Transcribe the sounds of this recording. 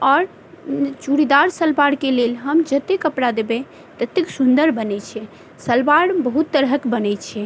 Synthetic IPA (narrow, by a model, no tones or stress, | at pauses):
ɔɾ | t͡ʃuɾid̪aɾsəlbaɽkelelɦəmd͡ʒət̪ekəpɾad̪ebe | t̪ət̪ːeksund̪əɾbənɛt͡ʃʰɛ | səlbaɽbəɦut̪ːəɾɦəkbənɛt͡ʃʰɛ